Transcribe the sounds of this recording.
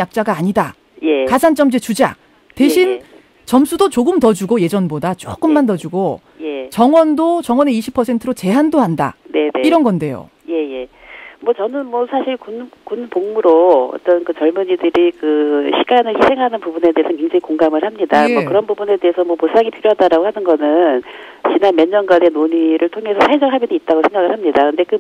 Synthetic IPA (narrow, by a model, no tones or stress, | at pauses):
jak̚t͡ɕ͈aɡaːɲida | je̞kad͡ʑant͡ɕ͈ʌmd͡ʑet͡ɕud͡ʑa̰ | tweɕʰin | t͡ɕʌmsʰudot͡ɕoɡɯmtʌd͡ʑuɡoje̞d͡ʑʌnbodat͡ɕ͈o̰k͈ɯmːantʌd͡ʑuɡo | je̞t͡ɕʌŋwʌndot͡ɕʌŋwʌneiɕʰipʰʌsʰe̞ntʰɯɾot͡ɕe̞ɦandohanda̰ne̞niɾʌnɡʌnde̞jo̰ | je̞je̞ | mwʌt͡ɕʌnɯnmwʌsʰaɕʰiɭkunkunpoŋmuɾoʌ̰t͈ʌnkɯt͡ɕʌɭmuɲidɯɾikɯɕʰi̥ɡanɯɭçʰisʰe̞ŋɦanɯnpubune̞de̞esʰʌkeŋd͡ʑaŋikoŋɡamɯɭhamɲidamwʌkɯɾʌnbubune̞de̞esʰʌmwʌposʰaŋipʰiɾjoɦadaɾaɡohanɯnɡʌnɯn | t͡ɕinanmjʌnːʌnɡane̞noɲiɾʔɯɭtʰoŋe̞sʰʌsʰaed͡ʑʌŋɦabidiit̚t͈aɡosʰe̞ŋɡaɡɯɭhamɲidakɯnde̞kɯ